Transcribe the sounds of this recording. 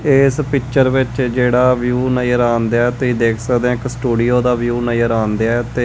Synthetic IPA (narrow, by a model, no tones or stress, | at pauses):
espɪkt͡ʃəɾʋɪt͡ʃd͡ʒeːɽaːʋjuːnəjəɾaːnd̪eaːt̪eid̪eːkʰsəkd̪ẽɪksʈuːɖijoːd̪aːʋjuːnəjəɾaːnd̪eaɛt̪eː